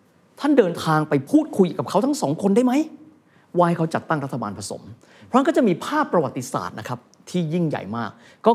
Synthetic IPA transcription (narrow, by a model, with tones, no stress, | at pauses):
t̪ʰa˥˩ndɤː˧nt̪ʰaː˧ŋpa˧jpʰuː˥˩t̪̚kʰu˧jʔka˨˩pkʰa˦˥wt̪ʰa˦˥ŋsɔː˩˦ŋkʰo˧nda˥˩jma˦˥j | waː˧hjkʰa˦˥wt͡ɕa˨˩t̪ːa˥˩ŋɾt̪ʰːa˧baː˧npʰa˧so̰˩˦m | pʰɾɔ˦˥˩kɔː˥˩t͡ɕa˨˩miː˧pʰaː˥˩pːɾa˧wa˨˩t̪ːi˧sa̰ː˨˩t̪̚na˦˥kʰɾa˦˥p̚ | t̪ʰiː˥˩ji˥˩ŋja̰˨˩jmaː˥˩k̚ːɔː˥˩